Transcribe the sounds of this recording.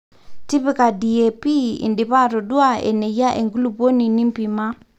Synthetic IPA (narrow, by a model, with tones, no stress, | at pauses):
ti˦pi˦ka˨di˨ɛ˨pi˦ḭ˨ndi˨pa˦ɾɔ˨dwa˦˨ḛ˨nɛ˨ja˦ʔe˨ŋɡu˦lu˦˨po˦ni˨ni˦mpi˨ma˦